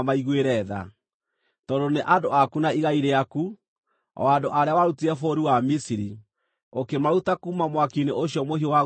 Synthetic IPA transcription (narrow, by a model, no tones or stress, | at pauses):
maiɣweɾɛða̰ | tɔdoneʔadoakunaiɣaiɾeaku | ɔ̰adoʔaɾeawaɾutiɛfoɾiwamisiɾi | okemaɾutakuːmamwakineʔoɕjɔmoɦiowa